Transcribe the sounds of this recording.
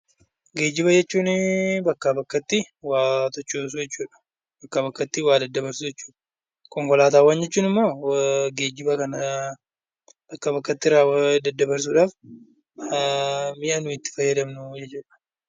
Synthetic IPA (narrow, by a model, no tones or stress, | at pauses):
ɡe̞ːd͡ʒɪβɐd͡ʒɛt͡ʃːuːnbɐkːabɐkːɐt̪ːɪ | waːt̪ɔt͡ʃːoːs̬ʊd͡ʒɛt͡ʃːuːᶑɐ̥ | bɐkːabɐkːɐt̪ːɪwaːd̪ɐd̪ːɐbɐɾsʊd͡ʒɛt͡ʃːu̥ːᶑɐ̥ | kʼɔŋkɔlaːt̪aːwːaːnd͡ʒɛt͡ʃːuːnɪmːo̞ːɡe̞ːd͡ʒɪbɐkɐnɐ | b̥ɐkːɐbɐkːɐt̪ːɪɾaːwd̪ɐd̪ːɐbɐɾs̬uᶑaːf | mɪʔɐnʊɪt̪ːɪ̥fɐjːɐd̪ɐmnʊd͡ʒɛt͡ʃːuːᶑɐ̥